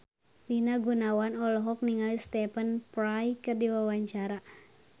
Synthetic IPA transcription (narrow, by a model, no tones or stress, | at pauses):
pinaɡunawanɔlɔɦɔk̚niŋalist̪ɛpənpɾajkɨrdiwawaɲt͡ʃaɾa